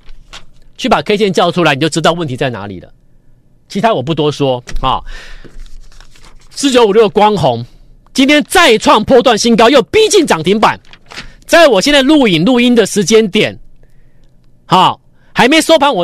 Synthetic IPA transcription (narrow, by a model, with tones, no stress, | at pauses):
t͡ɕʰy˥˩pa˨˩kʰe˥ɪt͡ɕjɛ˥˧nt͡ɕjɑ˥˧ʊtʰu˥a˧ɪni˨˩t͡ɕo˥˩ʊ˧ɻ̩ɨ˥t̪ɑ˥˧ʊwə˥˨nt̪i˧˥t͡sa˥˩ɪna̰˧˥lḭ˨˩lə̰˦ | t͡ɕʰi˧˥t̪ʰa˥wɔ˨˩p̬u˥˩t̪wɔ˥swɔ˦hɔ̰˨˩ | sɹ̩˥˩t͡ɕjo˧˦ʊu˨˩ljo˥˩kwɑ˦ŋxo˨˦ŋ | t͡ɕi˥nt̪ʰjɛ˥nt͡sa˥˧ɪʈ͡ʂʰwɑ˥˧ŋpʰwɔ˥t̪wa˥˨nɕi˥ŋk̬ɑ˥ʊjo˥˨ʊpi˥t͡ɕi˥˩nʈ͡ʂɑ˨˩ŋt̪ʰi˧˥ŋpa̰˨˩nt͡sa˥˩ɪwɔ˨˩ɕjɛ˥˧nt͡sa˥˧ɪlu˥˩i˨˩nlu˥˩i˦nd̪ə˨ʂɻ̩˧˥t͡ɕjɛ˦˥nt̪jɛ̰˨˩˦n | hɑ˨˩ | ha˧˥ɪme˧˥ɪso˥ʊpʰa˥nwɔ˨˩